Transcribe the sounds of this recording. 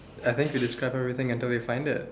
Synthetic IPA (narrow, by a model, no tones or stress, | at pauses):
ajθɪ̃ŋkwidɪskɹaɪbɛvɹit̪ɪ̃ŋãntɪlˠdefãɪ̃ndɪ̰t̚